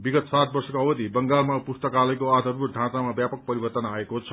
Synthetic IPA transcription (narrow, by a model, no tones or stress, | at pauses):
biɡʌt̪sat̪̚bʌrsʌkoʌbʌd̪ʱibʌŋɡalmapust̪ʌkalʌjkoad̪ʱʌrbut̪̚d̪ʱãt͡samabjapʌk̚pʌɾibʌrt̪ʌnaekot͡sʰʌ̥